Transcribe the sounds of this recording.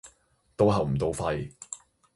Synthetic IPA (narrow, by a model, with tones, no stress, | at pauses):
t̪o˥wɦɐ˨wm̩˨˩t̪o˨˧wfɐ˧j